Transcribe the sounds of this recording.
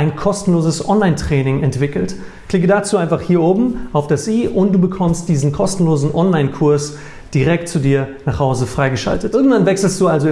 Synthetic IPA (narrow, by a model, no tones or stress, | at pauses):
ʔaɪnkʰɔstn̩loːzəsʔɔnlaɪntʁ̥ɛːnɪŋɛntv̥ɪkl̩t | kl̥ɪk̬ədaːt͡suːʔaɪ̃nfaχhiːɐʔoːbm̩ʔaʊfd̥asʔiːʔʊntd̥uːbəkʰɔmst̚d̥iːzn̩kʰɔstn̩loːzn̩ʔɔnlaɪnkʰʊɐs | d̥iʁɛk̚tt͡sudiːɐnaːχhaʊzəfʁ̥aɪɡəʃa̰ltətʔɪɐɡŋ̩v̥anvɛksl̩std̥uːalzo